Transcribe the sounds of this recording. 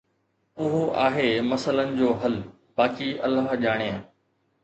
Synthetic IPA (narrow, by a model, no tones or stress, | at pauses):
ʊɦoʔaːɦeːmɐsələnɪ̆d͡ʑoːɦɐl | b̥aːkiɐ̰laːʄaːɽ̃ja